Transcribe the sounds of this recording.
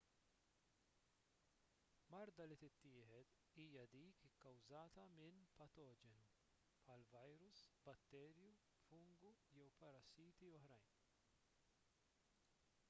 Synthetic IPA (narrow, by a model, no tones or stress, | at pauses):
mɐɾd̪ɐlit̪ɪt̪ːɪːħɛt̪ | iːjɐd̪iːkɪkːɐwzɐːt̪ɐmɪnpɐt̪ɔːd͡ʒɛnu | pħɐlvɐjɾʊsbɐt̪ːɛːɾju | fʊŋɡujɛwpɐɾɐsiːt̪iɔħɾɐjn